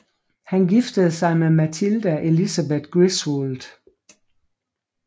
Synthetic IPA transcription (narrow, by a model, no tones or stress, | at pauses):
hænɡifd̥əð̞ˠsɑ̈ɪmemæt͡sʰild̥æʔe̝lisæbed̥ɡ̥ʁisʋoːld̥